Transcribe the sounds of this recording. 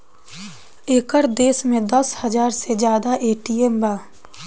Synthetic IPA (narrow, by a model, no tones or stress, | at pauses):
eːkəɾd̪eːsmẽd̪əshəd͡ʒaːɾsed͡ʒjaːd̪aʔeːʈiembaː